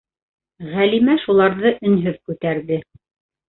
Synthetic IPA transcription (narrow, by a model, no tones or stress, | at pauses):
ʁælimæʃulˠɑɾðɤʔɵ̆nɦɵðkʉt̪æɾðɘ